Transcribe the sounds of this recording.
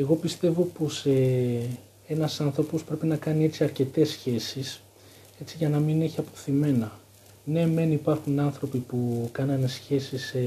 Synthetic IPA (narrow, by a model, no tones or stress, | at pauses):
e̞ɣo̞pist̪e̞vo̞po̞se | e̞nɐsɐnθɾo̞po̞spɾe̞pinɐkɐnie̞t͡ssiɐɾce̞t̪e̞sːçe̞sis | e̞t͡siʝɐnɐmine̞çiɐpo̞̥θime̞nɐ | ne̞me̞nipɐɾxunɐnθɾo̞pipukɐnɐnesçe̞sis